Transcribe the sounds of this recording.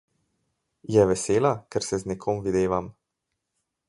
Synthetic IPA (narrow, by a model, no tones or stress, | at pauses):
jɛʋɛseːlakɛɾsɛznɛkʰoːmʋid̪eːʋam